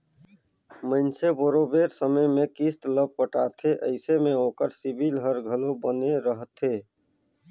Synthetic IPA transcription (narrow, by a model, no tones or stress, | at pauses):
mənseboɾobeːɾsəməjmẽkist̪ləb̚pəʈaːt̪ʰeʔəɪsemẽoːkəɾsibilɦəɾɡʱəlobəneɾəɦt̪ʰeː